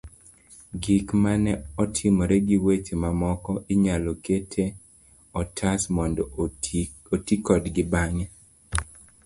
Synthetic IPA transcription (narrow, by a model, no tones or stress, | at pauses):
ɡikmanɛɔtʰɪmɔɾɛɡiwet͡ʃemamɔkɔʔiɲalɔketʰe | ɔtʰasmɔndɔ | otikɔdɡɪbaɲɛ